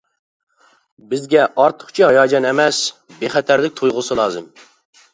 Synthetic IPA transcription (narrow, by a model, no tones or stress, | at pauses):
bɪzɡʲɛʔɑɾt̪ʰə̥χt͡ʃʰiɦɑjɑːd͡ʒɑnɛmɛsbeχɛt̪ʰæɾlɪk̚ʲt̪ʰojʁʊsɨlˠɑːzɨ̰m